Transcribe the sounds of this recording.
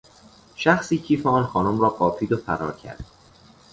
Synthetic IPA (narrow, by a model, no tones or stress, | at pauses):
ʃæxsiːcʰiːfeɒːnxɒːnomɾɒːɢɒːfʰiːd̪ofæɾɒ̰ːɾcʰæ̰ɾd̪̥